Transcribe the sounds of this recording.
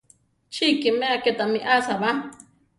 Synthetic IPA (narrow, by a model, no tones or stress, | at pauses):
t͡ʃʰikimẽaket̪amĩʔasaβa